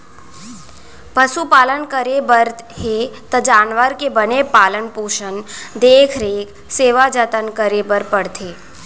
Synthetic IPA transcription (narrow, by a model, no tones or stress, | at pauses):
pəsupaːlənkəɾebəɾt̪ɦet̪əd͡ʒaːnʋəɾkebənepaːlənpoːʃənd̪eːkʰɾeːk | seːʋad͡ʒət̪ənkəɾebəɾpəɽt̪ʰe